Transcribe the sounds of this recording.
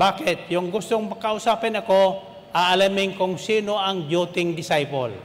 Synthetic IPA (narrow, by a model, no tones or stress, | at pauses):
bakɪt̪̚jʊŋɡʊst̪oŋmɐkɐʔʊsaːpɪnɐko | ʔaɐlamɪŋkʊŋsiːnoɐŋd͡ʒut̪ɪŋd̪ɪsajpo̰l